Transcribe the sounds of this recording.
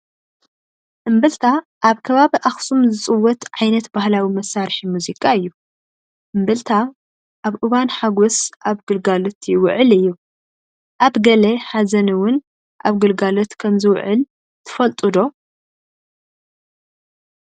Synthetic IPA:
ʔɨmbɨlt̪ʰa | ʔːβkʰɐβaβiʔaxsumzɨt͡sʼɨwːɔt̪ʕajnɐt̪bahlawimɐsaɾħimuzikʼaɨjːu | ʔɨmbɨlt̪ʰa | ʔaβʔɨβanħaɡosʔaβɡɨlɡalot̪ʰjwʊʕɨlɨjːu | ʔaβɡɐleħazɐnɨwʊn | ʔaβɡɨlɡalot̪kʰɐmzɨw̰ʕɨl | t̪ʰɨ̥fɐlt̪ʼɨd̪o̞

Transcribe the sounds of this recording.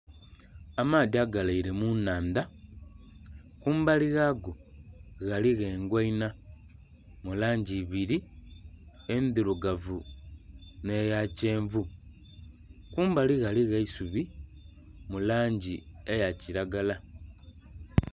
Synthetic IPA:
amaːdiaɡalaiɾemunaːnd̪a | kuːmbaliɣaɡoɣaliɣeːŋɡweina | mulaːɲɟiβiɾi | endiɾuɡavu | nejaceːɱvu | kuːmbaliɣaliɣeisuβi | mulaːɲɟiejaciɾaɡala

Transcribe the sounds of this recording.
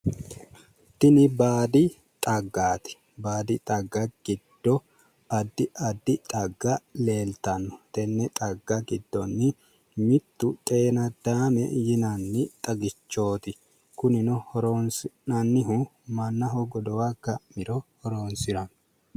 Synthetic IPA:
t̪ɪnɪbaːd̪ɪ | t̪ʼɐɡːaːt̪ɪ̥ | baːd̪ɪt̪ʼɐɡːɐɡ̥ɪd̪̥ːɔ | ɐd̪ːɪʔɐd̪ːɪt̪ʼɐɡːɐle̞ːlt̪ɐnːɔ̥t̪ɛnːɛt̪ʼɐɡːɐɡɪd̪ːɔnːɪ | mɪt̪ːʊt̪ʼe̞ːnɐd̪̥aːmɛjɪnɐnːɪt̪ʼɐɡɪt͡ʃːo̞ːt̪ɪ | kʊnɪnɔhɔɾoːnsɪnɐnːɪɦʊ | mɐnːɐɦɔɡɔd̪ɔwaɡɐʔmɪɾɔhɔɾoːnsɪɾɐn

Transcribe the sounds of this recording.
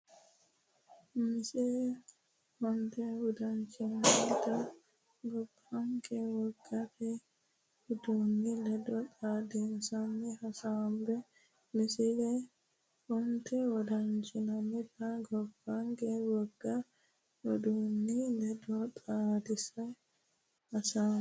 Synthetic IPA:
mɪsɪlɛ | hɔnt̪ɛwɔd̪ɐnt͡ʃʼɪnɐnɪt̪ɐ | ɡɔbːaŋkʰɛwɔɡːɐt̪ɛ | wʊd̪uːnːilɛd̪ɔt̪ʼaːd̪ɪnsɐnːɪhɐsaːmbɛ | mɪsɪlɛ | wɔnt̪ɛwɔd̪ɐnt͡ʃʼɪnɐnɛt̪ɐɡɔbːaŋkɛwɔɡːɐ | wɔd̪uːnːilɛd̪ɔt̪ʼaːd̪ɪsɐ | hɐsaːm

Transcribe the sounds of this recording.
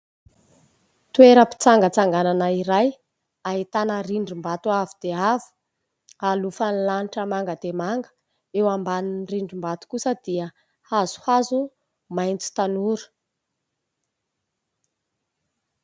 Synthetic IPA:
t̪ueɾəpi̥t͡saŋɡət͡saŋɡananaiɾaj | aɦit̪anəriɳɖ͡ʐimbat̪uavid̪̥eavu̥ | alufanilaniʈ͡ʂəmaŋɡəd̪emaŋɡə̥ | ewambaninriɳɖ͡ʐimbat̪u̥kusəd̪̥iə | azu̥hazu | majnt͡si̥t̪anuɾə̥

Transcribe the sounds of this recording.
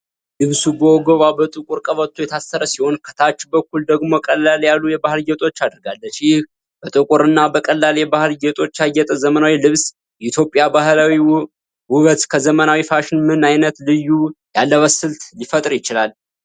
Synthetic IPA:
lɨβsubəwɔɡəβabət̪ʼɨkʼuɾkʼəβət̪ʰːujɛt̪ʰasəɾəsiho̞nkʰə̥t̪ʰat͡ʃːbəkːuld̪əɡmo̞kʼəlːaljalːujɛbahɨlɡɛt̪ʼo̞t͡ʃːad̪ɨɾɡalːəʃjɪh | b̥ət̪ʼɨkʼuɾɨnːabəkʼəlːaljɛbahɨlɡɛt̪ʼo̞t͡ʃːajːɛt̪ʼəzəmənawilɨβs | jɛit̪ʰjo̞pʼːjabaɦlawi | wʊβət̪kʰəzəmənawifaʃɪnmɨnajnət̪lɨjːujalːəβəsɨlt̪lifət̪ʼɾjɪt͡ʃɪlal

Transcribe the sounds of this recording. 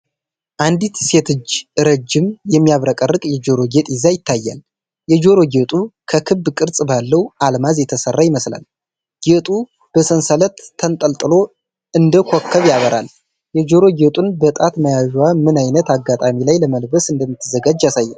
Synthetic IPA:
ʔand̪it̪se̞t̪ʰɨd͡ʒɨɾəd͡ʒːɪmjɛmːijaβɾəkʼərːɨkʼjɛd͡ʒo̞ɾo̞ɡet̪ʼɪzajɪt̪ʰːajːa̰l | jɛd͡ʒo̞ɾo̞ɡet̪ʼukʰəkʰɨbːkʼɨɾt͡sʼbalːəwʔalmazjɛt̪ʰəsərːajɪməsla̰l | ɡ̥et̪ʼu | b̥əsənsələt̪ʰːənt̪ʼəlt̪ʼɨlo̞ | ɨnd̪əkʰokʰːəβjaβəɾʔa̰l | jɛd͡ʒo̞ɾo̞ɡet̪ʼunbət̪ʼat̪məjaʒwamɨnajnət̪aɡːat̪ʼamilajləməlbəsɨnd̪əmːit̪ʰːɨzəɡad͡ʒasajːɛn

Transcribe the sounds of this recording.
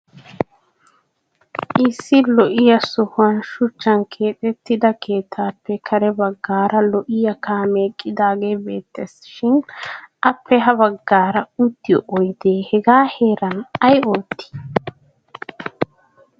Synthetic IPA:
ʔɪsːɪlɔʔɪjɐsʊhʊwɐnʃʊt͡ʃːɐnkʰeːt̪ʼɛt̪ːɪd̪ɐkʰe̞ːt̪ʰːaːpːɛkʰɐɾɛbɐɡːaːɾɐlɔʔɪjɐkaːmeːkʼːɪd̪aːɡe̞ːbe̞ːt̪ːesʃɪnʔɐpʰːɛɦɐbɐɡːaːɾɐʊt̪ːɪjɔʔɔjd̪eːhɛɡaːhe̞ːɾɐnɐjo̞ːt̪ːɪ̥

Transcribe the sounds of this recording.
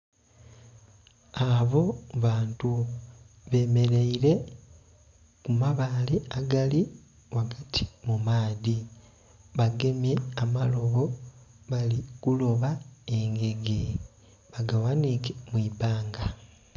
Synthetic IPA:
aβo̞βaːntu | βe̞me̞ɾeiɾe̞ | kumaβaliaɡali | waɡatʰi̥mumaːði | βaɡe̞mje̞amalo̞βo̞βalikulo̞βae̞ŋɡe̞ɡe | βaɡawanikemwiːbaːŋɡa

